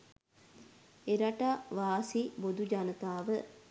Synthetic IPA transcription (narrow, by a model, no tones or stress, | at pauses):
eɾaʈaʋaːsibod̪ud͡ʒanət̪aːʋə